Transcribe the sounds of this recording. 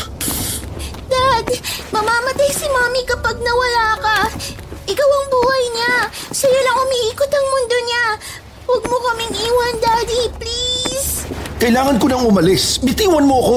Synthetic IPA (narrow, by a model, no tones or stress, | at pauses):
d̪ad̪mɐmaːmɐt̪ajsɪmaːmikɐpaɡ̚nɐwɐlaːkɐ | ʔɪkɐwɐŋbuːhɐjɲasɐjalaŋʊmiʔiːkʊt̪ɐŋmʊnd̪oɲa | wɐɡ̚mokɐmɪŋʔiːwɐnd̪aːd̪ipliskɐʔɪlaːŋɐnkonɐŋʊmɐlɪsmɪt̪iːwɐnmoɐko